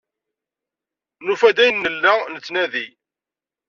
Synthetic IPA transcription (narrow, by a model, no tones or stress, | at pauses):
nufæd̪æjənːəlːænət͡sːnæði